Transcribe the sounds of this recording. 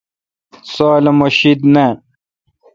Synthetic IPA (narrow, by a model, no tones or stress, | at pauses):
soːlɐmoɕid̪ne